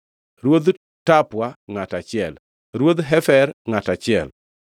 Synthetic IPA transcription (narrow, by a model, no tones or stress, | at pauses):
ɾwod̪ | tapwaŋatat͡ʃɪɛl | ɾwod̪ɦɛfɛɾŋatat͡ʃɪɛ̰l